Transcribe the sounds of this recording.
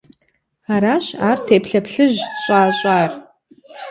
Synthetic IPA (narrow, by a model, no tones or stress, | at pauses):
aːɾaːɕaːrtʰeːpʰɬɐpʰɬɨʑɕʼaːɕʼaːr